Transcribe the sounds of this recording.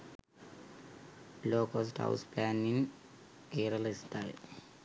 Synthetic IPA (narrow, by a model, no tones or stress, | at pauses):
loːkosʈha̰wsplaːnin | eːɾɐlist̪aj